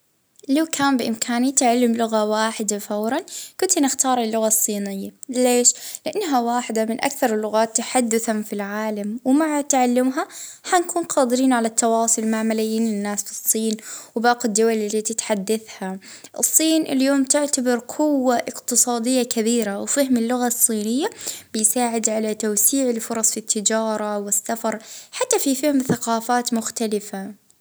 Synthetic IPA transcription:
lawkʰaːmbɪʔɪmkʰaːnit̪ɪʕalːɪmlʊɣawaːħɪd̪afawɾˤɑnkʊnt̪nɪxt̪ɑːɾˤɪlːʊɣasˤːiːnɪjːaleːʃlɪʔanːɦawaːħɪd̪amɪnʔa̰kθɑɾˤɪlːʊɣaːt̪ːaħad̪ːʊθamfilʕaːlamwmaʕat̪ʕalːɪmɦaħankʰuːnqʰɑːd̪ɪɾiːnʕalat̪ːɑwɑːsˤʊlmaʕmalajːiːnlɪnːaːsfɨsˤːiːnwbaːqɪd̪ːʊwalɪlːit̪ɪt̪ħad̪ːaθha | ʔɨ̰sˤːiːnʔɪ̰ljoːmt̪ɪʕt̪abɑɾqʰʊwːaʔɪqt̪ɨsˤɑːd̪ɪjːakabiːɾawfahɪmɪlːʊɣasˤːiːnɪjːab̥ɪjsaːʕɪd̪ʕalat̪awsiːʕɪlfʊɾˤɑsˤfit̪ʰːɪd͡ʒɑːɾˤɑwɪsːafɑɾˤħat̪ːafifahɪmθaqɑːfaːt̪mʊxt̪alɪfa

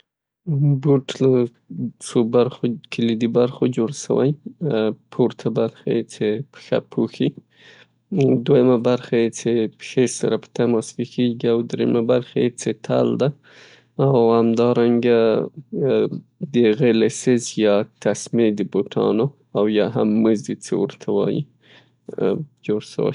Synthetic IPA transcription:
buʈla | t͡sobaɾxokʰɪlid̪ibaɾxod͡ʒoɽʃa̰wa̰j | pʰuɾt̪ʰabaɾxajet͡sepxa̰pʰoxi | d̪wajamabaɾxajet͡sepxesa̰ɾapə̥t̪amasfikeɡiawd̪ɾemabaɾxajet͡set̪ʰa̰ld̪a | awhamd̪ɑɾaŋɡa | d̪əɣelɪsɪzjɑt̪asmed̪əboʈʰɑ̰no | awjɑɦamːəzd̪it͡sḛwəɾt̪ʰawɑ̰jḭ | d͡ʒoɽʃə̰wa̰j

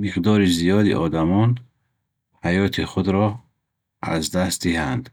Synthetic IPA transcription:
miʁd̪ɔːɾizijɒːd̪ḭʔɔ̰ːd̪amɔn | hajɔːt̪ʰiχud̪ɾɔ | a̰zd̪ast̪̚d̪ihand̪

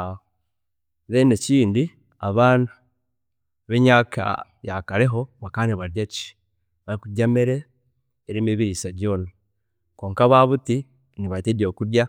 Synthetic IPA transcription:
βeneciːndi | a̰βaːna | βeɲaːkʰa̰ | jakaɾe̞ɦo̞βakaːniβaɾjaci̥ | βaɾikuɟameɾeː | ɾimeβiɾisaɟjo̞ːna | ko̞ːŋkaβaβuti | niβatedo̞kudja

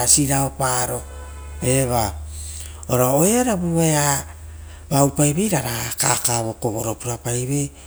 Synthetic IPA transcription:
asiɾaopaɾo̞ | e̞βa | oɾaoeaɾabuaea | bawpajβe̞jɾaɾaka̰kaβo̞koβo̞ɾopuɾapajβe̞j

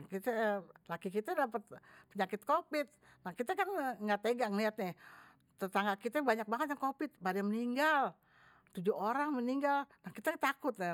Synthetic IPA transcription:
kit̪ɛlakikit̪ɛdapət̪̚pəɲakɪt̪̚kopɪt̪̚ | nahkit̪ɛkanŋɡat̪eɡaŋliat̪̚ɲɛ | t̪ət̪aŋɡakit̪ɛbaɲak̚baŋət̪̚jaŋkopɪt̪̚badɛməniŋɡal | t̪ud͡ʒuoɾaŋməniŋɡalnahkit̪ɛt̪akʊt̪̚nɛ

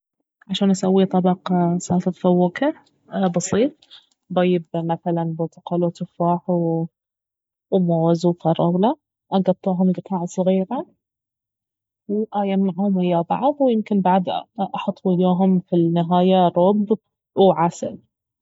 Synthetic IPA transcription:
ʕaʃaːnʔasawːit̪ˤɑbɑqɑsaːfɪðfawːaka | bɑsˤiːt̪̚ˤ | bajɪbmaθalanboːt̪ɑ̥qɑlut̪ʊfaːħw | wmowzufɑɾˤɑwla | ʔɑɡɑt̪ˤːuːɦʊmɡɪt̪ʰaːʕasˤɣiːɾa | wʔaːjamaʕhʊmʔɪjːabɑ̰ʕðˤwjɪmkɪnbaʕd̪ʔɑħɑt̪ˤːuɪjuːɦʊmfinɪɦaːjaɾˤɑb | wʕasɪ̰l

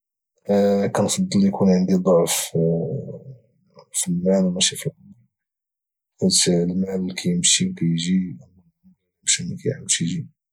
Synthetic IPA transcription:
kænfɑd̪ˤːəljkunʕənd̪id̪ˤoʕf | filmælwmæʃifilɑ | fæt̪lmælːkʰæjəmʃikæjʒi | mʃnikæjʕabʃjʒi

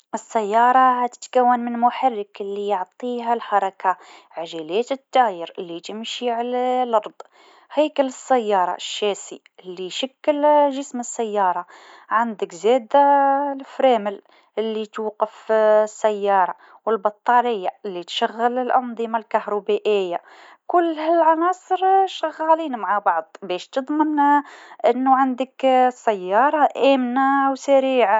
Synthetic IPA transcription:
ʔəsːæjːɑɾˤɑht̪ə̥t̪kæwːənmənmʊħarːəkəlːijoʕt̪ˤiɦalħɑɾˤɑkaʕaʒælæːt̪ət̪ːæjəɾəlːit̪əmʃiʕalælʔɑɾˤd̪ˤ | hæːkələsːæjːɑːɾˤɑ̰ʔʃːæsi | lːiʃakːəlʒəsməsːæjːɑːɾˤɑ | ʕand̪əkzæːd̪alfɾæməl | ʔəlːit̪wqːəfsːæjːɑːɾˤɑ | wəlbɑt̪ˤːɑlɪjːalːit̪ʃæɣːələlʔɑnd̪ˤəmalkahɾubæʔɪjːa | kʊlːhælʕɑnɑːsˤəɾʃæɣːæliːnmaʕabɑʕd̪ˤbɛːʃt̪əd̪ˤmənʔənːuʕand̪əksːæjːɑːɾˤɑʔæːmnawsaɾiːʕa

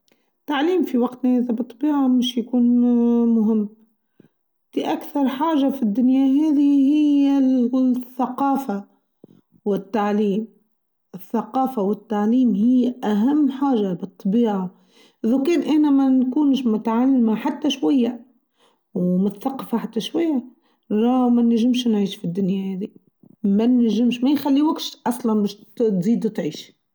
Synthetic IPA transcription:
t̪ːaʕliːmfiwaɡt̪naʔɪðabɨt̪ˤːɑbiːʕamɪʃjakuːnmʊɦɪmː | fiʔakθɑɾˤħaːʒafid̪ːʊnjaɦeːðihɪja | θːaqɑːfa | wɪt̪ːaʕliːm | ʔɪθːaqɑːfawɪt̪ːaʕliːmhɪjːʔaɦamːħaːʒabɨt̪ˤːɑbiːʕa | ʔɪðʊkɛːnʔɪħnæmænkuːnʃmʊt̪ʕalːmaħat̪ːaʃwajːa | wmʊt̪θaqːɑfaħat̪ːaʃwajːa | ʔɾˤɑmænaʒɪmʃnʕiːʃfid̪ːʊnjahæːd̪i | mænʒɪmʃmæjxalːiwak̪ʃʔɑsˤlɑnbɛːʃt̪ziːd̪wt̪ʕiːʃ

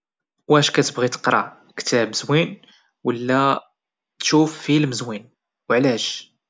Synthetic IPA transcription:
wæʃkæt̪əbɣit̪ə̥qɾˤɑ̰ | kt̪æbəzwin | wəlːæ | t̪ʃufːilməzwin | wʕlæʃ

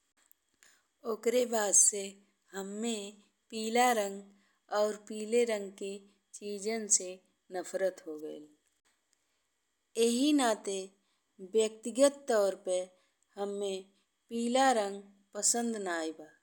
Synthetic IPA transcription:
oːkɾebaːd̪se | həmːẽ | piːlaɾə̃ŋɡ | ɔːɾpiːleɾə̃ŋɡke | t͡ʃiːd͡ʒənse | nəpʰɾət̪ɦoɡəel | eɦinaːt̪e | bjək̚t̪ɪɡət̪ːɔːɾpə | həmːẽ | piːlaɾə̃ŋɡ | pəsə̃nd̪naːjbaː

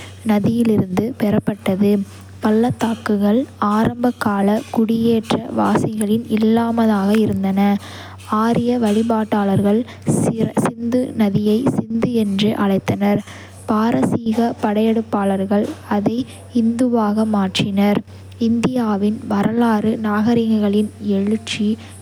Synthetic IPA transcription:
nɐðɪjɪlɪɾɯnd̪ɯpɛɾɐpːɐʈːɐðɯ | pɐlːɐt̪ːaːkɯɣɐɭaːɾɐmbɐkːaːlɐkʊɽɪjeːʈrɐ̰ʋaːsɐɣɐɭɪnɪlːaːmɐðaːɣɐɪɾɯnd̪ɐnɐ | aːɾɪjɐʋɐɭɪbaːʈːaːlɐɾɣɐɭ | sɐsɪnd̪ɯnɐðɪjɐɪsɪnd̪ɯɛndrɯʔɐɭɐɪt̪ːɐnɐɾ | paːɾɐsiːɣɐpɐɽɐjɛɽɯpːaːɭɐɾɣɐɭɐðɐɪ | ɪnd̪ɯʋaːɣɐmaːʈrɪnɐɾ | ɪnd̪ɪjaːʋɪnʋɐɾɐlaːɾɯnaːɣɐɾɪŋɐɣɐɭɪnɛɻɯt͡ʃːi

